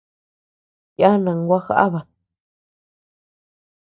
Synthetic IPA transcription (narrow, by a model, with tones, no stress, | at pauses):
ja˦nã˨ŋ˦ɡʷa˦xa̰˦ʔa˦βa˨